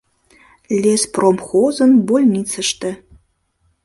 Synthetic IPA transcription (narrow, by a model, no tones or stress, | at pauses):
lʲespromxozə̆nbolʲnit͡səʃt̪ə